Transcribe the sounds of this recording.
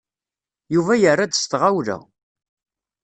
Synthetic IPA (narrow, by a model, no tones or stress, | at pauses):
juvæjərːad̪əst̪ʁawlæ̰